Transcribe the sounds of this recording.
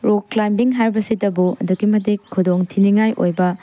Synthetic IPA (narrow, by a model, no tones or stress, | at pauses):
ɾoklajmbiŋɦaɾbɐsidɐbuɐ̰duɡimɐdikʰːudoŋtʰiniŋajʔojbɐ